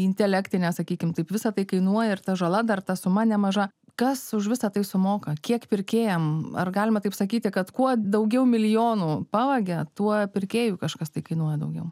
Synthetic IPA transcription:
ɪnʲt̪ʲɛlʲækt̪ʲɪnʲɛːsɐkʲiːkʲɪmt̪ɐɪpʋʲɪsɐt̪ɐɪkɐɪnuɔjɛɪrt̪ɐʒɐlˠɐd̪ɐrt̪ɐsʊmɐnʲɛmɐʒɐ | kɐsʊʃʋʲɪsɐt̪ɐɪsʊmoːkɐkʲiɛkpʲɪrʲkʲeːjɛmɐ̰rɡɑːlʲɪmɐt̪ɐɪpsɐkʲiːt̪ʲɪkɐt̪kuɔd̪ɐʊɡʲɛʊmʲɪlʲɪjoːnuːpɑːʋɐɡʲɛt̪uɔpʲɪɾʲkʲeːjuːkɐʃkɐst̪ɐɪkɐɪnuɔjɛd̪ɐʊɡʲɛʊ

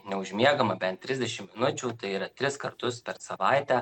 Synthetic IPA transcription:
nʲɛʊʒʲmʲiɛɡɐmɐbʲɛnt̪ʲːɾʲɪzʲd̪ʲɛʃʲɪmmʲɪnʊt͡ʃʲuːt̪ɐɪiːɾɐt̪ʲɾʲɪskɐɾt̪ʊspʲɛɾsɐʋɐɪt̪ʲæː

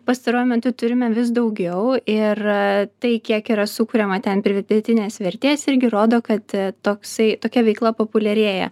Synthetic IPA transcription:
pɐst̪ɐɾoːjʊmʲɛt̪ʊt̪ʊɾʲɪmʲɛʋʲɪs̬d̪ɐʊɡʲɛʊɪrt̪ɐɪkʲiɛkiːɾɐsʊkʊːɾʲɛmɐt̪ʲɛnpʲɾʲɪd̪ʲɐpʲɪd̪ʲɛt̪ʲɪnʲeːsʋʲɛɾʲt̪ʲeːsɪɾʲɡʲɪɾoːd̪oːkɐt̪t̪oːksɐɪt̪oːkʲɛʋʲɛɪklˠɐpoːpʊlʲɛɾʲeːjɛ̰

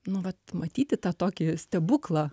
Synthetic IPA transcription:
nʊʋɐt̪mɐt̪ʲiːt̪ʲɪt̪ɑːt̪oːkʲɪsʲt̪ʲɛbʊklˠɑː

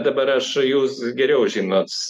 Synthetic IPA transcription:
d̪ɐbɐɾɐʃjuːsɡʲɛɾʲɛʊʒʲiːnoːt̪

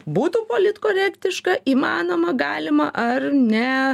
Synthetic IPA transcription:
buːt̪upoːlʲɪt̪koːɾʲɛːkʲt̪ʲɪʃkɐʔiːmɑːnoːmɐɡɑːlʲɪmɐʔɐrnʲɛ

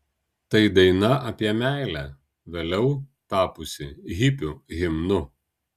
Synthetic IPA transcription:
t̪ɐɪd̪ɐɪnɐʔɐpʲiɛmʲæˑɪlʲæ | ʋʲeːlʲɛʊt̪ɑːpʊsʲɪɣʲɪpʲʊɣʲɪmnʊ

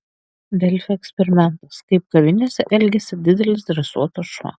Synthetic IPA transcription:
d̪ʲɛlʲfʲɛɛːksʲpʲɛɾʲɪmʲɛnt̪ɐskɐɪp̚kɐʋʲɪnʲoːsʲɛʔɛlʲɡʲɛsʲɪd̪ʲɪd̪ʲɛlʲɪsd̪ʲɾʲɛsuɔt̪oʃʋɐ̰

